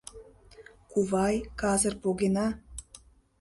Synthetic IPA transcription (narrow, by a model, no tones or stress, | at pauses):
kuβɑjkɑzɤ̆rpoɣenɑ